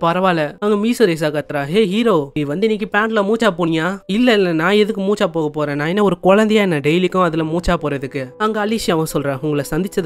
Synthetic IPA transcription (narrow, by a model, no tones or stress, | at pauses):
pɐɾɐʋaːlɐɐŋɡɐmiːsɯɾes̬aːkɐt̪ːɪɾaːeːɦiːɾoːʋɐnd̪ɯɪnːikːɯpaːɳɖlɐmuːt͡ʃːaːpoːɳɪjaːɪlːɛɪlːɐnãːɛðɯkːɯmuːt͡ʃːaːpoːɣɐpoːɾẽːnãːɛnːɐɔɾɯkɔɻɐnd̪ɛjaːɛnːɐɖɛjlɪkːʊ̃ɐðɪlɐmuːt͡ʃːaːpoːɾɐðɯkːɯɐŋɡɐːlːiːsɪjɐ̃ːʋɐ̃sɔlɾẽːʊŋɡɐɭɐsɐnd̪ɪt͡ʃːɐð